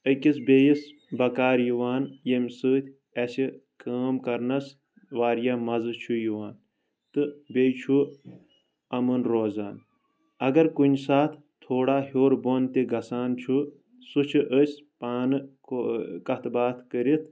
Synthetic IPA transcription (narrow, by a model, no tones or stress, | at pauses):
əkʲisbʲeːjis | bɐkaːɾjiʋaːnjemʲsɨːt̪ʰʲ | ɐsikaːmkɐɾnɐs | ʋaːɾjamɐzɨt͡ʃʰujiʋaːn | t̪ɨbejt͡ʃʰu | ɐmɨnɾoːza̰ːn | ɐɡɐɾkunsaːt̪ʰ | t̪ʰoːɽaːɦoːɾboːnt̪iɡɐsaːnt͡ʃʰu | sut͡ʃʰiʔəsʲpaːnɨ | kɐt̪baːt̪ʰkəɾit̪ʰ